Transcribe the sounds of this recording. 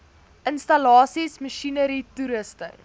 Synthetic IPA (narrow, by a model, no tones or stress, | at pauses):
ʔənstɐlɑːsisməʃinəɾituɾəstə̰